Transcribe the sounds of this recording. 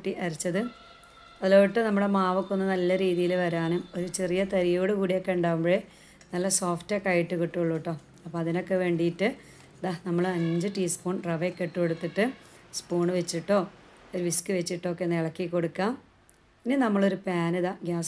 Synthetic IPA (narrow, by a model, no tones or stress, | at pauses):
ʈːiʔɐrit͡ɕːɐðɨ | ɐðiloːʋiʈːɨnɐmːuɽemaːʋɐkːonːɐnɐlːɐɾiːðijilʋɐɾaːɳumo̞ɾut͡ɕerijɐt̪ɐɾijoːɽɨkuːɽijokːe̞uɳɖaːʋumboe | nɐlːɐsoːfʈekɐjiʈːɨkiʈːuɣoɭːuʈːo̞ː | ɐpːoɐðino̞kːe̞ʋe̞ːɳɖijːʈːɨ | d̪ɐhnɐmːɐɭɐɲd͡ʑɨʈiːspuːɳreʋekːeʈːukoɽut̪ːiʈːɨspuːɳɨʋet͡ɕːiʈːo̞ːoɾuʋiskɨʋet͡ɕːiʈːo̞ːkːenːiɭɐkːikːo̞ɽukːaːm | inːinɐmːɐɭo̞ɾupaːnɨðaːɡjaːs